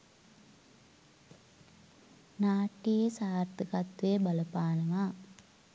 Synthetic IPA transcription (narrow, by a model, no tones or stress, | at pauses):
naːʈijesaːɾt̪ɨkɐt̪ʋebɐləpaːnɐʋaː